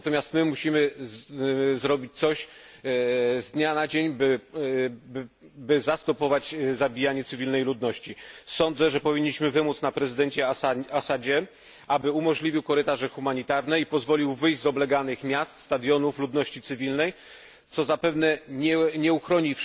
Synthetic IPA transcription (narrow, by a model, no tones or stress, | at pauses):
nat̪ɔmʲast̪mɘmuɕimɘ | zɾɔbʲit͡ɕt̪sɔɕ | zd̪ɲanad͡ʑeɲb | bɘzast̪ɔpɔvad͡ʑzabʲijaɲɛt̪sɘvʲilnɛjlud̪nɔɕt͡ɕisɔnd̪zɛʐɛpɔvʲiɲːiɕmɘvɘmut̪snapɾɛzɘd̪ɛɲt͡ɕɛasad͡ʑɛ | ʔabɘumɔʐlʲivʲiwkɔɾɘt̪aʐɛxumaɲit̪aɾnɛipɔzvɔlʲiwvɘjʑzɔblɛɡanɘxmʲjast̪st̪ad̪jɔnuflud̪nɔɕt͡ɕit̪sɘvʲilnɛj | t̪sɔzapɛvnɛɲɛɲɛuxɾɔɲif